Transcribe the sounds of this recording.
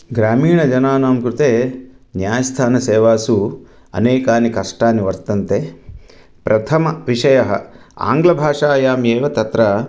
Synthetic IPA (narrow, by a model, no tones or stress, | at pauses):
ɡɾaːmiːɳɐd͡ʒɐnaːnaːmkɾut̪eː | njaːjɐst̪ʰaːnɐseːʋaːsu | ɐ̰neːkaːnikɐʂʈaːniʋɐɾt̪ɐnt̪e | pɾʔɐt̪ʰɐmɐʋiʂɐjɐɦɐ̰ | a̰ːŋɡlɐbʱaːʂaːjaːmjeːʋɐt̪ɐt̪ɾɐ